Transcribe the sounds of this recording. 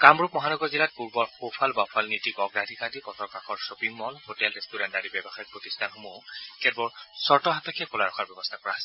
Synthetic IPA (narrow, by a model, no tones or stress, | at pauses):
kamɹup̚mɔɦanɔɡɔɹzilat̚puɹbɔɹxopʰalbapʰalnitikɔɡɹadʱikadipɔtɹɔkaxɔɹsopiŋːɔlhotɛlɹɛstuɹantdaɹibɛbɔxajɔk̚pɹotistʰanxɔmokɛtbɔɹsɔɹtɔɦatɔkʰɛkolaɹɔxʰaɹbɛbɔstʰakɔɹaɦasɛ